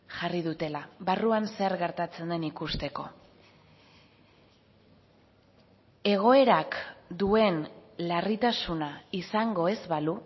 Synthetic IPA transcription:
ʝarið̞ut̪e̞laβaruanseɾɣe̞ɾt̪at͡se̞nd̪e̞nikust̪e̞ko̞ | e̞ɣ̞o̞e̞ɾakd̪ue̞nlarit̪asunaisaŋɡo̞e̞zβalu

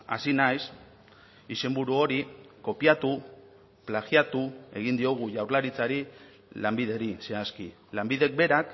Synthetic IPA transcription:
a̰sinajs | ise̞mbuɾuo̞ɾiko̞piat̪u | plaɣjat̪ue̞ɣ̞ind̪io̞ɣ̞uʝawɾlaɾit͡saɾi | lambið̞e̞ɾise̞aski | lambiðe̞k̚be̞ɾak

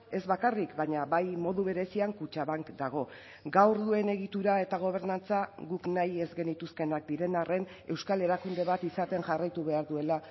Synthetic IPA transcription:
e̞zβakarikbaɲaβajmo̞ðuβe̞ɾe̞siaŋkut͡ʃaβaŋkd̪aɣ̞o̞ | ɡawɾðue̞ne̞ɣit̪uɾae̞t̪aɣ̞o̞β̞e̞ɾnant͡saɣuknaje̞zɡe̞nit̪uske̞nak̚d̪iɾe̞nare̞n | e̞wskale̞ɾakund̪e̞βat̪isat̪e̞ŋʝarajt̪uβe̞aɾðue̞la

